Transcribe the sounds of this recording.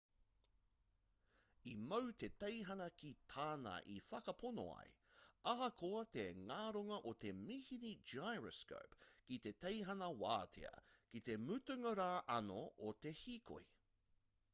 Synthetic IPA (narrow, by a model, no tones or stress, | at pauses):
imowt̪etejɦɐnɐkit̪ʰaːnɐ̰ʔifɐkɐpʰono̰a̰jɐɦɐkʰoɐt̪eŋaːɾoŋɐʔot̪e̞mihinid͡ʒajɹəsko̰pkit̪e̞t̪ejɦɐnɐwa̰ːt̪ʰḛɐ̰kit̪e̞mʉt̪ʉŋəɾaːʔɐnoʔot̪ehiːkʰo̰i